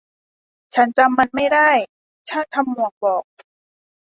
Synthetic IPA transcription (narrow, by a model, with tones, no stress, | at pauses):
t͡ɕʰa˦˥nt͡ɕa˧mːa˧nma˥˩jda˥˩j | t͡ɕʰa˥˩nt̪ʰa˧mːu˨˩ək̚bɔː˨˩k̚